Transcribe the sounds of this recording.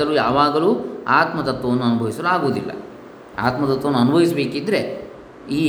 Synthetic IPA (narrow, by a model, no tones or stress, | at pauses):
ɐluːjaːʋaːɡɐluːaːt̪mɐd̪ɐt̪ʋɐʋnːuɐnubʱɐʋisɐlaːɡoːd̪ilːɐ̰ | a̰ːt̪mɐd̪ɐt̪ːɐnːuɐnubʱɐʋisɐbe̞ːkid̪ɾe̞ | iː